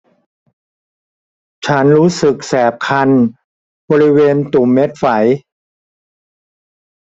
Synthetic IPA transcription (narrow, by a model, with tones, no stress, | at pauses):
t͡ɕʰa˦˥nɾuː˦˥sɯ˨˩k̚sɛː˨˩p̚kʰa˧n | bɔː˧ɾi˦˥weː˧nt̪u˨˩mːe˦˥t̪̚fa˩˦j